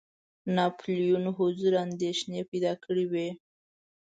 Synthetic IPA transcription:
nɑplijunɦʊzuɾand̪eʃnepajd̪ɑkʰəɽiwe

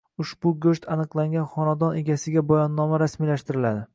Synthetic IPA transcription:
ʊʃbʊɡʲɵʃt̪ʰanɨqlˠaŋɡʲanχɒnad̪ɒne̞ɡʲasɪɡʲabɒjɒnːɒmaɾasmijlaʃt̪ɪɾɪlad̪ɪ

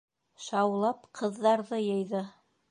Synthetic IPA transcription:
ʃɑwlˠɑpqʰɤ̆ðːɑɾðɤjɤ̆jðɤ

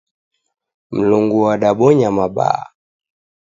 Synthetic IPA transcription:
m̩luŋɡuwaɗaɓɔɲamaɓa̰

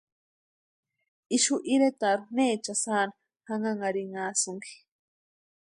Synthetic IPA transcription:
iʃuʔiɾet̪aɾneːt͡ʃasaːna | haŋaŋaɾiŋaːsʊŋki̥

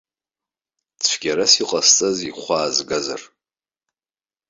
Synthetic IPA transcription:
t͡sʷʰɡ̥ʲaɾasiqʼast͡sʼaziχʷaːzɡaza̰r

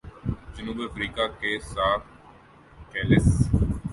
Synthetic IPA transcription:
d͡ʒənuːbiəfɾiːkaːkeːsaː | keːlɪs

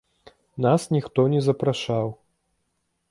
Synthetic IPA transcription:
nasnʲixt̪ɔnʲɛzɐpɾaʂaw

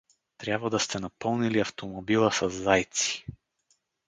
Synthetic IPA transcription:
t̪ɾʲabvəd̪ɐst̪ɛnɐpɤlˠniliɐft̪omobilˠəsɐzːajt̪si̥

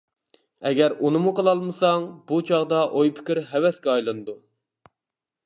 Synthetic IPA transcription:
ɛɡʲɛɾunɨmuqəlˠɑlˠmɨsɑŋbut͡ʃʰɑʁd̪ɑʔojpʰɪ̥kʲiɾɦɛwɛskʲɛɑjlˠɨnɨd̪u

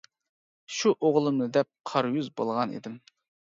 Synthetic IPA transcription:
ʃuʔoʁlˠɨmnɨd̪ɛp̚qʰɑɾjyzbo̰lˠʁɑnḛd̪ɪm

